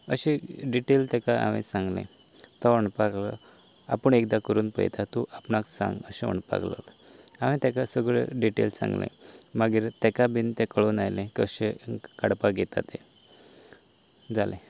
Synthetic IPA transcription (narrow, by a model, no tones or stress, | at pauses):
əɕeɖiʈelt̪ɛkaa̰ʋḭ̃sãŋɡlḛ̃ | t̪ɔʋəɳpaklə | apəɳekd̪akəɾuːnpə̰jt̪ʰat̪uʔapnaksã̰ŋɡəɕẽʋə̰ɳpa̰klə̰l | aʋĩt̪ɛkasəɡɭḛɖiʈḛlsã̰ŋɡlḛ̃maɡiːɾt̪ɛkabint̪ẽkəɭoːnajlẽkəɕekaɽpaɡʱet̪a̰t̪ẽ | d͡zalẽ